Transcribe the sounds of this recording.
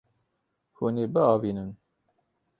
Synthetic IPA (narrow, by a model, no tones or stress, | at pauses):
huneːbɨɑːviːnɨn